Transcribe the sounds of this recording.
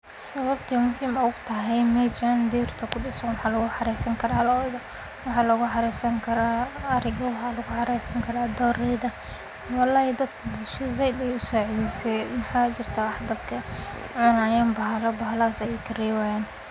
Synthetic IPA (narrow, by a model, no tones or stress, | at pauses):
sɐβɐb̚t̪ʰɐmʊhiːmɔʊɡt̪ʰɐɦɛjmɛt͡ʃand̪iːrt̪ʰɐkʰʊɖɪsɐnwɑħɑːlɐɣʊħɑɾɛːsɐŋkʰɐɾaːlɔð | wɑħɑːlɐɣʊħɑɾɛjsɐŋkʰɐɾaːɐɾɪɣɔwɑħɑːlɐɣʊħɑɾɛjsɐŋkʰɐɾaːd̪ɔːrɛjðɐ | wɑlːaːjɛd̪ɐd̪kʰɐbʊʃɪzɛjd̪ɛjʊsɔːʕɛlisɛmɑħɑːt͡ʃɪrt̪ʰawɑħd̪ɐd̪kʰɐ | ʕʊnaːjaːnbɐɦlɐbɐɦlasɛjɛjkʰɐriːwajaːn